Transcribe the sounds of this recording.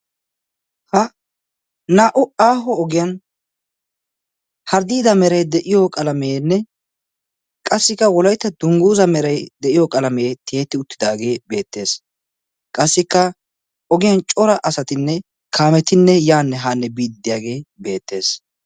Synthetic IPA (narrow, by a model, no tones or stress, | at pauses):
hɐ | naːʔʊaːɦɔɔɡɪjɐn | hɐɾd̪iːd̪ɐmɛɾɐjd̪ɛʔɪjɔkʼɐlɐmeːnːɛ | kʼɐsːɪkːɐwɔlɐjt̪ːɐd̪̥ʊŋɡuːzɐmɛɾɐjd̪ɛʔɪjɔkʼɐlɐmeːt̪ʰeːt̪ːɪʊt̪ːɪd̪aːɡe̞ːbe̞ːt̪ːe̞ːs | kʼɐsːɪkːɐ | ɔɡɪjɐnt͡ʃʼɔɾɐʔɐsɐt̪ɪnːɛ | kʰaːmɛt̪ɪnːɛjaːnːɛɦaːnːɛbiːd̪ɪd̪ːɪjaːɡe̞ːbe̞ːt̪ːe̞ːs